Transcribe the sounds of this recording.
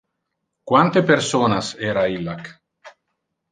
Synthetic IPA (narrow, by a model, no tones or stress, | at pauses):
kwant̪epeɾsonasɛɾailːak